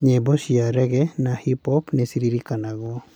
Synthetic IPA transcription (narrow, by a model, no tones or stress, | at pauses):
ɲebɔsiaɾɛɡɛnahipɔpnɛsiɾiɾikanaɡɔ